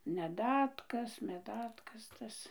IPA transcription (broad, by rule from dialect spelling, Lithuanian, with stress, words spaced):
mʲɛˈdɑːtkɐs mʲɛˈdɑːtkɐs tɐs